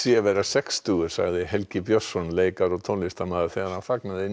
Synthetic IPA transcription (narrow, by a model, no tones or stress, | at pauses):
sjɛvɛɾasɛkst̪uːɣʏ̥sa̰ɣðɪɦɛlcɪpjɔsːɔnleːjkaɾɔɣt̪ʰonist̪amaːðʏɾ̥θɛɣaɾhanfaknaðɪ